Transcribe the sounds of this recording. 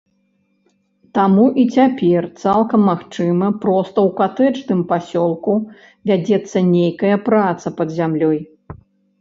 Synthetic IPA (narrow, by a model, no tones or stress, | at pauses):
t̪amuʔit͡sʲapʲɛrt̪salˠkɐmːaxt͡ʂɨmɐpɾɔst̪ɐwkat̪ɛt͡ʂnɨmpasʲɔlˠku | vʲad͡zʲɛt̪sːɐnʲejkɐjɐpɾat̪sɐpɐd̪zʲamlʲɔj